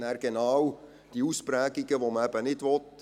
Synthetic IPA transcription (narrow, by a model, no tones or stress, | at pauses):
næːɾɡ̥enɑw | d̥iuspɾæːɡiɡəʋoməɛbənɪdʋɔt